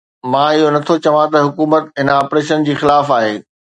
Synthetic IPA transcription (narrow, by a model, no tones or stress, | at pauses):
mãːɪɦonɐt̪ʰot͡ɕɐʋãt̪ɐɦʊkuːmət̪ɦɪnaːpɾeːʃənd͡ʑiːxɪlaːfaːɦeː